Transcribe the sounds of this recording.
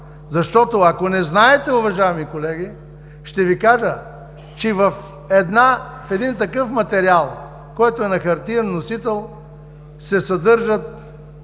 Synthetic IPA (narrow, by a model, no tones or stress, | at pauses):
zɐʃt̪ɔt̪oɐkonɛznaɛt̪ɛʊvɐʒaɛmikolɛɡ̟ʲi | ʃt̪ɛvikaʒə | t͡ʃɛvɐf | ɛd̪na | fɛd̪int̪ɐkɤfmɐt̪ɛɾialˠ | kɔjt̪oɛnɐxɐɾt̪iɾənːosit̪ɛlˠ | sɛsɐd̪ɤɾʒət̪̚